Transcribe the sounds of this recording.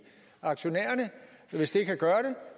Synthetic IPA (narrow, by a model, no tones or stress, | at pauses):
ɑ̈ɡ̥ɕo̝nḛːɐnə | ʋe̝sd̥eɡkʰæɡ̥ɶːɐɾ̥e̝